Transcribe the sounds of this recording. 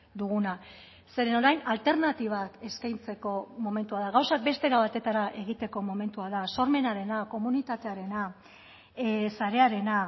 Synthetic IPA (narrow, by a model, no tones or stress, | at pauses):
d̪uɣ̞una | se̞ɾe̞no̞ɾajnalt̪e̞ɾnat̪iβ̞ake̞skajnt͡se̞ko̞mo̞me̞nt̪uaðaɣawsak̚be̞st̪e̞ɾaβat̪e̞t̪aɾaʔe̞ɣ̞it̪e̞ko̞mo̞me̞nt̪uaðaso̞ɾme̞naɾe̞nako̞munit̪at̪e̞aɾe̞na | saɾe̞aɾe̞na